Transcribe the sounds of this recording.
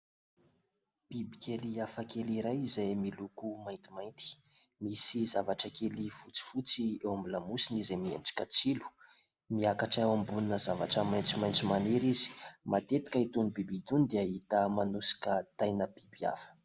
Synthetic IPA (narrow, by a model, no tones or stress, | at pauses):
b̥ibikʲeliafəkeliɾajizajmilukumajnt̪imajnt̪i̥ | misizavaʈ͡ʂəkelifut͡si̥fut͡siewamilamusinizemienʈ͡ʂi̥kət͡silu̥ | miakaʈ͡ʂewambuninəzavaʈ͡ʂəmajnt͡simajnt͡simaneɾizi̥mat̪et̪i̥kʲait̪unibibit̪unid̪eaɦit̪əmanusi̥kət̪ajnəb̥ibia̰fə̥